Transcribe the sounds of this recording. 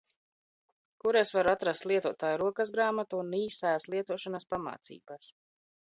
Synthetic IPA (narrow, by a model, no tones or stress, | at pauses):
kuɾesvaɾuat̪ɾast̪lˠiɛt̪uɔt̪aːjuɾuɔkazɡɾaːmat̪uːniːsajaslˠiɛt̪uɔʃanaspama̰ːt̪sḭːbas